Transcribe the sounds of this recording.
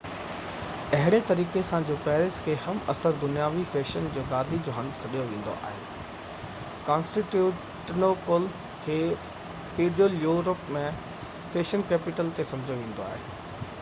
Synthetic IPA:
ɐɦɪɽ̃et̪ɐɾiːkesãd͡ʑoːpɛːɾɪskʰeːhɐmɐ̰səɾd̪ʊnijaːʋifeːʃənd͡ʑoːɡaːd̪ʱid͡ʑoːɦɐ̃nd̪sɐɗijoʋẽːn̆d̪o̰ʔa̰ːɦḛː | kãːnsʈiʈjuː | ʈnoːpəl | kʰeː | fiːɖəljuːɾəpmẽ | feːʃənkɛːpɪʈəlt̪esɐ̃md͡ʑʱjoʋẽːn̆d̪oa̰ːɦeː

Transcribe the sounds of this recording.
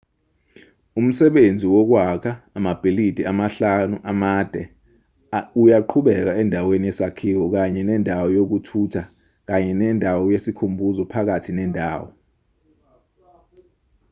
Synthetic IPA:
um̩sɛɓend͡zʱiwɔk̬wakʰaːmab̥ʱelid̥ʱiamaɬanuʔamad̥ʱɛ | ujaǃʰuɓɛk̬aɛndʱaweniɛsakʰiwɔk̬aɲɛnɛndʱawɔjok̬utʰutʰa | k̬aɲɛnɛndʱawɔjesikʰumbʱuzɔpʰak̬atʰinɛːndʱa̰ːwɔ̰

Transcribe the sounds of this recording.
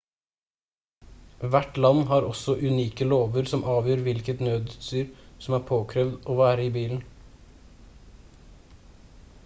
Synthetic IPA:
ʋæʈlɑnːɦɑːɾɔsɔʔʉniːkəloːʋəɾsɔmʔɑːʋjøːɾʋɪlkət̪nøːd̪ʉːt̪st̪yːɾsɔmæːɾpʰoːkʰɾɛːʋd̪oːʋæːɾəiːbiːln̩

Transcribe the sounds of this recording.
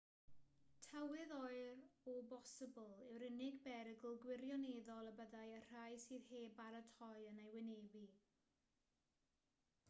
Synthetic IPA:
tʰawɪðɔɨɾɔbɔsəbəlˠɪwɾɪnɪɡbɛɾəɡəlˠɡwɪɾjɔneːðɔlˠəbəðajər̥ajsiːðheːbaɾətʰɔɨənajwɪnevi

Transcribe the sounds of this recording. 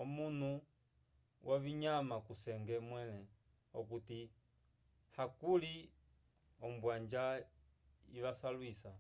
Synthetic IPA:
ɔmun̤u | wʔaβiɲamakusɛŋɡɛmwɛnɛ | ɔkuti | hakuli | ɔm̩bwand͡ʒa | iʋasalwisa

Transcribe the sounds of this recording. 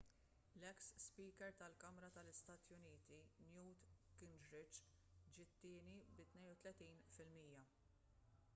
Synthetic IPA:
lɛksspiːkɛɾt̪ɐlkɐmɾɐt̪ɐlɪst̪ɐːt̪jʊniːt̪injuːt̪kɪnd͡ʒɾɪt͡ʃ | d͡ʒɪt̪ːɪːnibɪt̪nɛjnʊt̪lɛt̪iːnfɪlmiːjɐ

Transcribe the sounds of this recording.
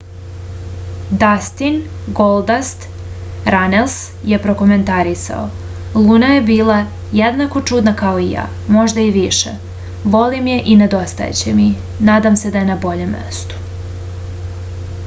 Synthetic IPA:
d̪ast̪inɡold̪ast̪ | ɾanels | je̞pɾo̞ko̞me̞nt̪aɾisa̰o̰ | lˠuːnaje̞biːlˠa | jed̪nako̞t͡ʂud̪nakao̞ija̰ː | mo̞ʒd̪aiʋiʃḛ | ʋo̞limje̞ʔined̪o̞st̪a̰jḛt͡ɕemi | naːd̪amse̞d̪aje̞nabo̞ʎe̞mːḛst̪u̥

